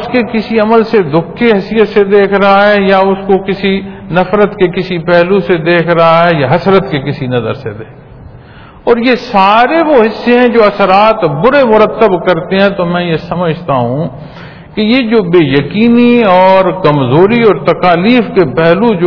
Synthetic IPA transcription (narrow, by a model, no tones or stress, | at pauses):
ʊskekɪsiɐməlsed̪ʊkʰːeɦɐsijət̪sed̪eːkʰɾɐɦaɦɛjaʊskokɪsinɐfɾət̪kekɪsipɛɦlused̪eːkʰɾɐɦaɦɛjaɦɐsɾət̪kekɪsinɐzə̰ɾsḛd̪eː | ɔːɾjesaːɾeʋoɦɪsːeɛ̃d͡ʒoːɐsəɾaːt̪bʊɾemʊɾət̪ːəbkɐɾt̪eɦɛ̃t̪omɛ̃jesɐməd͡ʒʱt̪aɦũ | kejed͡ʒoːbeːjɐkiːniɔːɾkɐmzoːɾiɔːɾt̪ɐkaːliːfkepɛɦlud͡ʒo